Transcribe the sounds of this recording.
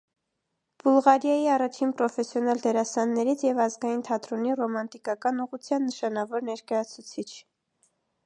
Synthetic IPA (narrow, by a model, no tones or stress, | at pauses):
b̥ulʁɑɾjɑjiɑrɑt͡ʃʰinpɾɔfɛsjɔnɑld̪ɛɾɑsɑnːɛɾit͡sʰjɛvɑzɡɑjint̪ʰɑt̪ɾɔnirɔmɑnt̪ikɑkɑnuʁut͡sʰjɑnːəʃɑnɑvɔɾnɛɾkɑjɑt͡sʰut͡sʰit͡ʃʰ